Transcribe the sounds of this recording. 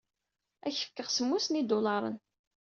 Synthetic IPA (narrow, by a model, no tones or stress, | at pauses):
æçə̥fkːəʁsəmːusnid̪ʊlɑɾˤə̰n